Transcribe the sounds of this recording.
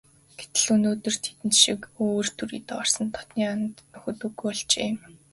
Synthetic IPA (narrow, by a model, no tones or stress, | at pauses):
ɡ̥et̪ɘ̆ɮunoːt̪ɵ̆r̥t̪ʰe̥t̪ɘ̆nt̪ʃikoːrt̪ʰuɾḭːt̪ɔːr̥sə̆nt̪ʰɔ̥t̪niːanə̆t̪nʊxɵ̆t̪ŭɡujɔɮt͡ɕḛːm